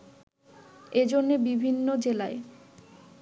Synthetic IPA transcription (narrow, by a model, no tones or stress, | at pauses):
ed͡ʑonːebibʱinːod͡ʑelae